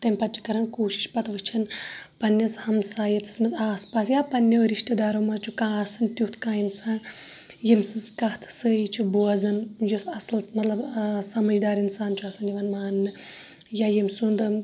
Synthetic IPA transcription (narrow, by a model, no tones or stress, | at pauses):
t̪ɐmʲpɐt̪̚t͡ʃʰi̥kɐɾɐnkoːʃi̥ʃpɐt̪ʋɨt͡ʃʰinpɐnːɐshɐmsaːjɐt̪ʰɐ̥smɐzaːspaːsjaːpɐnʲːeɾiʃʈɐd̪aːɾoːmɐzt͡ʃʰukãːɐsɨnt̪ut̪kãːinsaːn | jimsɨzkɐht̪ʰsɨit͡ʃʰubuɐzɐnjusɐslmɐt̪lɐbsɐmɐd͡ʒd̪aːɾinsaːnt͡ʃʰuɐsɐniʋɐnmaːnːɨ | jaːjimʲsund̪ɨ